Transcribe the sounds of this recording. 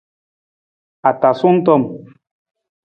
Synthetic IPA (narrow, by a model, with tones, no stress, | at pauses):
a˨ta˨su˦n̩˦tɔ˦˨m